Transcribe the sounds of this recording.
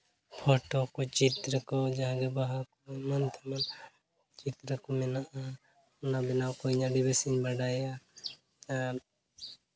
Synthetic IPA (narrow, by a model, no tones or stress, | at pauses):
pʰɔʈɔkɔt͡ʃit̪ɾəkɔd͡ʒaɦãɡɛbaɦakɔmant̪ʰaman | t͡ʃit̪ɾəkɔmɛnaʔa | ɔnabɛnawkɔɲaɖibesiɲbaɖaja | a